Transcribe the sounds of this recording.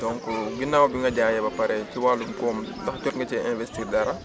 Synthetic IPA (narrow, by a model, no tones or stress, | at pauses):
dɔŋkɔɡinːaːwbiŋɡɐɟaːjɛbɐpɐɾɛciwalumkɔːmdɐxcɔtŋɡɐcɛɛnvɛstiːrdɐɾɐ